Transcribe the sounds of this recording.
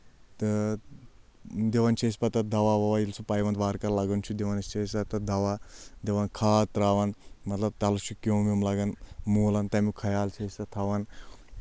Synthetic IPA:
t̪ | d̪eʋɐnt͡ʃʰespɐt̪ɐd̪ɐʋaʋɐʋailt͡sʰupɐjʋɐnt̪ʋaːɾkɐɾlɐɡɐnt͡ʃʰud̪eʋɐnɐst͡ʃʰesɐt̪ɐd̪ɐʋad̪eʋɐnkʰaːt̪ɾaːʋɐnmɐt̪lɐb̚t̪ɐlut͡ʃʰukowmimlɐɡɐnmuːlɐnt̪ɐmikʰɐjaːlt͡ʃʰeːsʲɐt̪ʰɐʋɐn

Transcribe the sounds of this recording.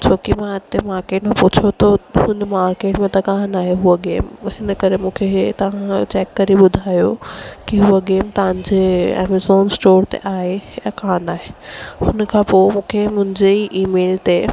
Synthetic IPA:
t͡ɕʰoːkimãɪt̪emaːɾkeːʈmẽpʊt͡ɕʰot̪ɐɦʊnmaːɾkeːʈmẽt̪ɐkaɦnaːɦeɦuoɡeːmhɪnəkɐɾemũːkʰet̪ɐʋ̤ãt͡ɕɛːkːɐɾiɓʊd̪ʱaːjokiɦuəɡeːmt̪ɐʋ̤ãɲd͡ʑeɛ̰ːmezoːnsʈoːɾt̪ḛʔaːɦejakaːnaːɦehʊnəkʰãːpoːmũːkʰemʊ̃ɦɪ̃ɲd͡ʑeiʔiːmeːlt̪e

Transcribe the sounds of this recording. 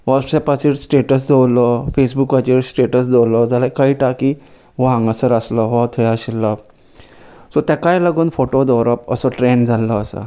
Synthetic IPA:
ʋaʈsɛpasiʈsʈeʈəs̬d̪ʱewlɔfesbukʋat͡ɕiɾsʈeʈəsd̪ewlɔd͡zalakaɦiːʈaki | ʋãŋɡəsəɾaslɔɦɔt̪ʰɔjaɕilːə | sɔt̪akajləɡuːnfoʈod̪ɔwɾəpə̰sɔʈɾend͡zʱalɔːsə̰

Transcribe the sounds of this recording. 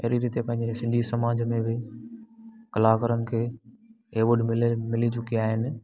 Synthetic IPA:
ɐɦɾiɾiːt̪epɐ̃ɦɪ̃ɲd͡ʑesɪ̃nd̪ʱisɐmaːd͡ʑmẽbɪ | kɐlaːkəɾənɪ̆kʰeː | eʋʊɖmɪmɪlit͡ɕʊkiaːɦɪnɪ̆

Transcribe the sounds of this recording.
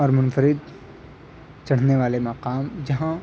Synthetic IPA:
ɔːɾmʊnfəɾɪd̪ | t͡ʃɐɽ̤neʋaːlemɐqaːmd͡ʒɐɦã

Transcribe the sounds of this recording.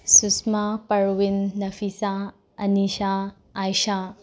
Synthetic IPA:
susmapɐɾwinːɐfʰisa | ɐnisaː | jʃa

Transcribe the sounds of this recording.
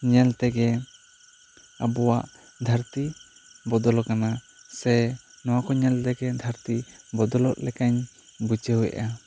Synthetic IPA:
ɲɛlt̪ɛɡɛ | abɔwaʔ | d̪ʱaɾt̪ibɔd̪ɔlɔkana | sɛ | nɔwakɔɲɛlt̪ɛɡɛd̪ʱaɾt̪ibɔd̪ɔlɔʔlɛkaɲbut͡ʃəɦujɛ̰ʔa

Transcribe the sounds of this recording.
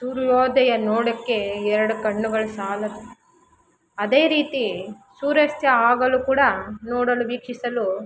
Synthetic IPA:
suːɾjɔːd̪ɐjɐnoːɽɐkːe̞ɛɾɐɽukɐɳːuɡɐɭusaːlɐd̪u | ɐd̪eːɾiːt̪i | suːɾɐst̪jɐaːɡɐlukuːɽɐnoːɽɐluʋiːkʂisɐlu

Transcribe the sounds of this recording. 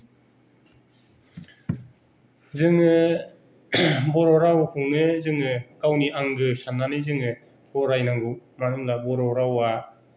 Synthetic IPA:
zɯŋɯ | bɔɾɔɾawhunɯzɯŋɯkawniʔaŋɡɯsanːanɯzɯŋɯ | bɔɾajnaŋɡɯmaɾɯmlabɔɾɔɾawa

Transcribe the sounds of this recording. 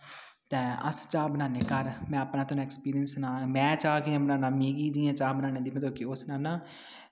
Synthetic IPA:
t̪ɛ̃ːə̰st͡ʃaːbənaːneːkəɾmɛ̃ːəpnaːt̪oñːɛkspiːɾɪjənsnaːmɛ̃ːt͡ʃaːkiãbənaːnãːmeːɡiːd͡ʒiːãːt͡ʃaːbənaːneːd̪iːmɛ̃d̪oːkeːosnaːnãː

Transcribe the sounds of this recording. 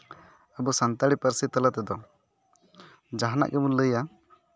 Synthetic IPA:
əbɔsant̪aɽipəɾsit̪ələt̪ɛd̪ɔ | d͡ʒaɦana̰ʔɡɛmunləja

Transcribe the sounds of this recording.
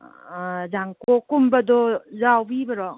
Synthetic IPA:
zaŋkokumbɐdɔzawbibɐɾɔ

